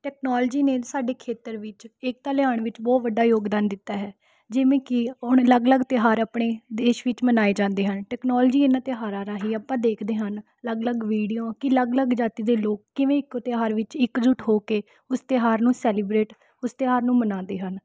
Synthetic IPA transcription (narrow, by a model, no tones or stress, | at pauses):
ʈɛːknɔːld͡ʒiːneːsaːɖeːkʰeːt̪əɾʋɪt͡ʃɪk̚t̪aːlɪaːɳʋɪt͡ʃbɔːt̪ʋəɖaːjoːɡd̪aːnd̪ɪt̪ːaːɦɛː | d͡ʒɪʋẽːkɪʊɳləɡləɡt̪ɪɦaːɾaːpɽeːd̪eːʃʋɪt͡ʃmənaːeːd͡ʒãːnd̪eːɦənʈɛːknɔːld͡ʒiːɪnãːt̪ɪɦaːɾãːɾaːɦiːəːpãːd̪eːkʰd̪eːɦən | ləɡləɡʋiːɽijõːkɪləɡləɡd͡ʒaːt̪iːd̪eːloːkːɪʋẽːɪkt̪ɪɦaːɾʋɪt͡ʃɪkd͡ʒʊʈʰɦoːkeː | ʊst̪ɪɦaːɾnũːsɛːliːbɾeːʈ | ʊst̪ɪɦaːɾnũːmənãːnd̪eːɦən